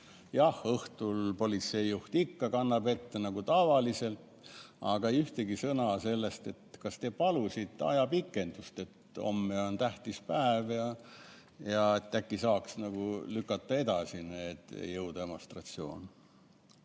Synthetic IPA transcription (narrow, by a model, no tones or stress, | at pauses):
jɑhɤht̪ulpo̞lit̪se̞jːuht̪ikːɑkɑnːɑbe̞t̪ːenɑɡ̥ut̪ɑvɑlise̞lt̪ | ɑɡ̥ɑyht̪eɡisɤnɑse̞lːe̞st̪e̞t̪kɑst̪e̞pɑlusʲit̪ˑɑ̰jɑpikːˑe̞nd̪̥ust̪e̞t̪o̞̰mːeo̞nt̪æht̪ispæevjɑ | jɑe̞t̪ːækːisɑːksnɑɡ̥ulykːˑɑt̪ːˑɑe̞d̪ɑsinet̪ːḛjːɤwd̪̥ɑemo̞nst̪rɑt̪sio̞̰ːn